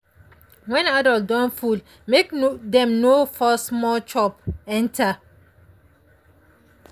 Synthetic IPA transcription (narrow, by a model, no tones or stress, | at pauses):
wɛ̃nadɔldɔ̃nful | mekdɛ̃mnofɔsmɔt͡ʃɔp̚ɛ̃ntʰa